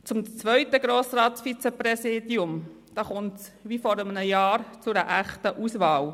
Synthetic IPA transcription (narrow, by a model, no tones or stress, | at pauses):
t͡sʊmt͡sʋœʏtəɡ̥ɾoːsɾɑːtfit͡sepɾɛsiːdiʊm | d̥ɑːχʊnts | ʋifɔɾəmənəjɑːɾt͡sʊdəʔæχtəʔusʋɑːl